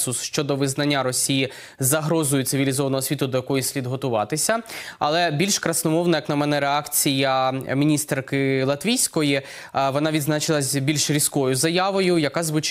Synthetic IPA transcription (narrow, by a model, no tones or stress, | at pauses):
sʊsʃt͡ʃɔd̪ɔʋɪznɐnʲːaɾɔsʲiji | zɐɦɾɔzɔjʊt̪sɪʋʲilʲizɔʋɐnɔɦɔsʲʋʲit̪ʊd̪ɔjɐkɔjisʲlʲid̪ɦɔt̪ʊʋɑt̪ɪsʲɐɐ̰lˠɛbʲilʲʃkɾɐsnɔmɔwnɐjɐknɐmɛnɛɾeɑkt͡sʲijɐmʲinʲist̪rkɪlˠɐt̪ʋʲijsʲkɔji | ʋɔnɑʋʲid̪znɑt͡ʃɪlˠɐsʲbʲilʲʃɾʲiskɔjʊzɐjaʋɔjʊjɐkɑzʋʊt͡ʃ